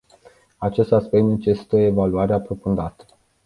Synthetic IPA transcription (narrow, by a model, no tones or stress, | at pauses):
at͡ʃe̞st̪aspe̞k̚t̪nnet͡ʃesi̥t̪oe̞valuaɾeapɾo̞fund̪at̪ə̥